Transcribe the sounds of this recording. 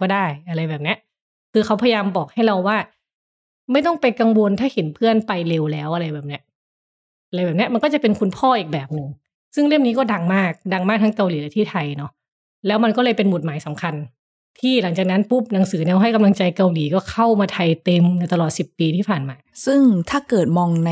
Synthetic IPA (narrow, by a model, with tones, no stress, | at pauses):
kɔː˥˩daː˥˩jʔa˧ɾa˧jbɛː˨˩p̚ni˦˥ɐʔ | kʰɯː˧xʰa˦˥wpʰa˧jjaː˧mbɔː˨˩k̚ha˥˩jɾa˧wːaː˥˩ | ma˥˩jt̪ɔ˥˩ŋpa˧jka˧ŋwo˧nt̪ʰaː˥˩he˩˦npʰɯ˥˩ənpa˧jle˧wlɛː˦˥wʔa˧ɾa˧jbɛː˨˩p̚ni˦˥ɐʔ | ʔa˧lːjbɛː˨˩p̚ni˦˥ɐma˧nkɔː˥˩t͡ɕa˨˩pe˧nkʰu˧npʰɔː˥˩ʔiː˨˩k̚bɛː˨˩p̚nɯ˧ŋ | sɯ˥˩ŋɾɯ˥˩əmniː˦˥kɔː˥˩da˧ŋmaː˥˩k̚da˧ŋmaː˥˩k̚t̪ʰa˦˥ŋka˧wliː˩˦lɛː˦˥t̪ʰiː˥˩t̪ʰa˧jnɔ˦˥ | lɛː˦˥wma˧nkɔː˥˩lɤː˧jpe˧nmo˨˩t̪̚maː˩˦jsa˩˦mkʰa˧n | t̪ʰiː˥˩la˩˦ŋt͡ɕaː˨˩k̚na˦˥npu˦˥˩p̚na˩˦ŋsɯː˩˦nɛː˧wɦa˥˩jka˧mla˧ŋt͡ɕa˧jka˧wliː˩˦kɔː˥˩kʰa˥˩wmaː˧t̪ʰa˧jt̪e˧mna˧˩t̪a˧lɔː˨˩t̪̚si˨˩pːiː˧t̪ʰiː˥˩pʰaː˨˩nmaː˧sɯ˥˩ŋt̪ʰaː˥˩kɤː˨˩t̪̚mɔː˧ŋna˧